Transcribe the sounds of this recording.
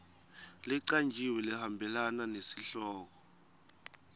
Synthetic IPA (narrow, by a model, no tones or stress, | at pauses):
liǀand͡ʒʱiwɛlihambʱɛlananesiɬɔːk̬ɔ